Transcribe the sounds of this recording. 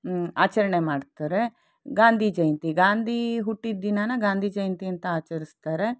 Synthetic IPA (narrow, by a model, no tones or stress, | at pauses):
a̰ːt͡ʃɐɾɐɳemaːɖt̪aːɾe̞ | ɡaːnd̪ʱid͡ʒɐjɐnt̪iɡaːnd̪ʱiɦuʈːid̪inanɐɡaːnd̪ʱid͡ʒɐjɐnt̪iɐnt̪ɐaːt͡ʃɐɾist̪aːɾe̞